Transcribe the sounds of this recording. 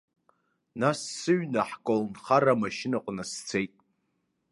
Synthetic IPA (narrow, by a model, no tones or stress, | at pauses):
nasːɨɥnaħkʷʼolnχaɾamaʃɪnaqʷʼnast͡sʰejtʼ